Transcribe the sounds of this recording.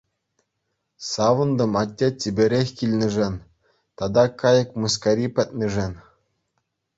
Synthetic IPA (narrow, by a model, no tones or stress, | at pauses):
sɑʋɤ̆nd̪ɤ̆mɑtʲːetʲibʲɘ̆ɾʲexʲkʲilʲnʲɘ̆ʐɘnʲ | t̪ɑd̪ɑkɑjɤ̆kmus̬kɑɾʲipʲɘt̪̚ʲnʲɘ̆ʐɘnʲ